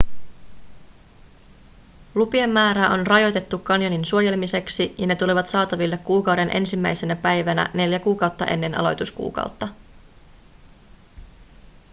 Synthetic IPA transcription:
lupiemːæːɾæʔo̞nrɑjo̞jt̪e̞t̪ːukːɑnjoninsuoje̞lemise̞ksijɑne̞t̪uliʋɑt̪sɑːt̪ɑʋilːekkːuːkɑwde̞nʔe̞̰nsimːæjse̞næpæjʋænæ̰ne̞ljækuːkɑwt̪ːɑ̰ʔe̞̰nːe̞nɑ̰lo̞̰jt̪uskṵːkɑ̰uwt̪ːɑ

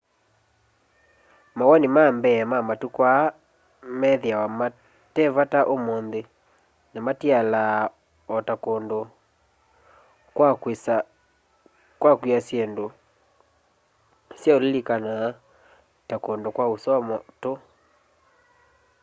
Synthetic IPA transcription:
mawanimambɛɛmamatukwa | mɛðeawama | tɛvataʔomonðe | namatiala | ɔtakondo | kwakwesa | kwakwiasjɛndo | sjaolelikana | takondokwaosɔmɔto

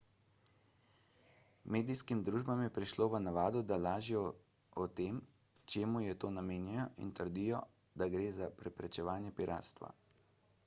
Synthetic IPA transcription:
meːd̪iskimd̪ɾuːʒbamjɛpɾiʃloːʋənaʋaːd̪ɔd̪alaːʒiɔ | ɔt̪eːm | t͡ʃeːmujɛt̪oːnameːnjɛjɔʔḭnt̪əɾd̪iːjɔ | d̪aɡɾeːzapɾɛpɾɛt͡ʃɛʋaːnjɛpiɾʔa̰ːt̪st̪ʋa̰

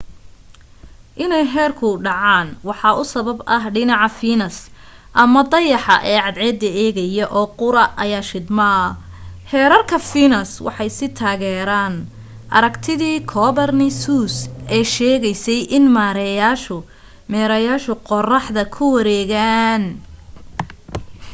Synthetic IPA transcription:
ʔɪnɛjɦɛːrkʰʊɖɑʕɑːnwɑħɑʊsɐβɐbɐɦɖɪnɑʕɑfiːnɐs | ʔɐmɐd̪ɐjɑħɑ̰ʔɛːʕɑd̪ʕɛd̪ɐɛːɣɐjɐʔɔːqʊɾɐʔɐjaːʃɪd̪mɐɐ | hɛːɾɐrkʰɐfiːnɐswʔɑ̰ħɑjsɪt̪ʰaːɣɛːɾaːn | ʔɐ̰ɾɐkt̪ʰɪðiːkʰɔːβɐrnɪsuːsʔɛːʃɛːɣɛjsɛjʔɪnmaːɾɛjaːʃʊ | mɛːɾɐjaːʃʊqɔrɑħðɐkʰʊwɐɾɛːɣaːn

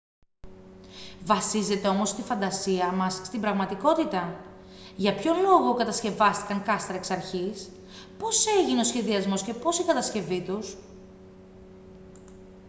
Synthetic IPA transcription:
vɐsize̞t̪e̞o̞mo̞st̪ifɐnd̪ɐsiɐmɐsst̪imbɾɐɣmɐt̪iko̞t̪it̪ɐ | ʝɐpço̞lo̞ɣo̞kɐt̪ɐsce̞vɐst̪i̥kɐŋkɐst̪ɾɐeksɐɾçis | po̞se̞ʝine̞o̞sçe̞ðiɐzmo̞sce̞po̞sikɐt̪ɐsce̞vit̪us

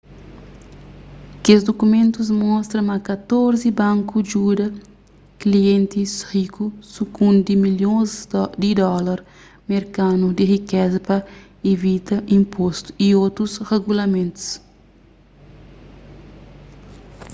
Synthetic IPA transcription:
kezd̪okumẽnt̪uz̬mɔst̪ɾɐ̃mɐkat̪oɾzibãŋkud͡ʒud̪ɐ | kliẽnt̪ishikusukũnd̪imiljõzd̪id̪ɔlɐɾ | meɾkanud̪irikɛzɐpɐ | evit̪ɐĩmpost̪u̥iot̪ɾusreɡulɐmẽnt̪u̥s

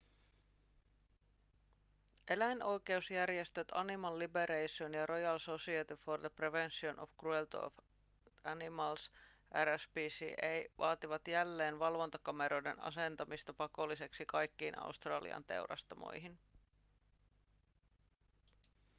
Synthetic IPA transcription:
ʔe̞læjnʔo̞jke̞usjærjest̪øt̪ɑnimɑlːibeɾejsonjɑɾo̞jɑlso̞siet̪iford̪epreʋensionʔo̰fkruelt̪o̰f | ænimɑls | ʔæɾæsbisiʔejʋɑːt̪iʋɑt̪jælːe̞ːnʋɑlʋo̞nt̪ɑkɑme̞ɾo̞jde̞̰nɑ̰se̞nt̪ɑmist̪ɑpɑko̞lːise̞ksikɑjkːiːnʔɑ̰ust̪rɑ̰ːlḭɑ̰nt̪e̞̰wɾɑ̰st̪ɑmo̰jɦin

